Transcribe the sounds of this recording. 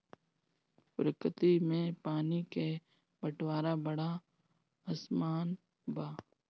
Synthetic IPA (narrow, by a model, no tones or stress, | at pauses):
bɾəkət̪imẽpaːnike | bəʈʰwaːɾabəɽa | əsmaːn | baː